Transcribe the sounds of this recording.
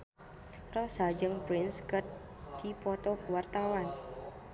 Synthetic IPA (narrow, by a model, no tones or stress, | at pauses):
rɔsad͡ʒəŋpɾɪnskət̪̚ | d̪̥ipɔt̪ɔkuwart̪awan